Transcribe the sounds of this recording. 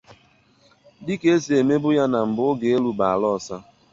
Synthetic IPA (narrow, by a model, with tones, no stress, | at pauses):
dɪ˦ke˦e˦si˨e˨me˦bʊ˦ja˦na˨m̩˨bʊ˦ʊ˦ɡe˨e˦lu˦ba˨a˨lɔ˦˨sa˦